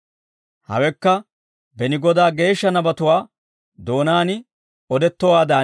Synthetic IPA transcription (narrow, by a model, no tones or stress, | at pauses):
hɐ̰wɛkːɐ | bɛnɪɡɔd̪aːɡe̞ːʃːɐnɐbɐt̪ʊwaː | d̪o̞ːnaːnɪ | ɔd̪ɛt̪ːɔwaːd̪aː